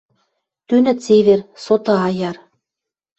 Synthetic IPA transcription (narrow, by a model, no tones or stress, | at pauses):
t̪ynɘ̆tt͡seβersot̪ɤ̆ɑjɑr